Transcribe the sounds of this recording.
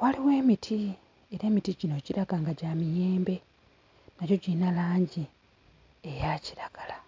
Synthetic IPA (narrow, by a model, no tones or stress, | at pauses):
waliwe̞ːmitʰi | e̞ɾe̞ːmitiɟino̞ɟiɾaɡaːŋɡaɟaːmijeːmbe̞ | naco̞ɟinalaːɲɟi | ejaːciɾaɡ̥ala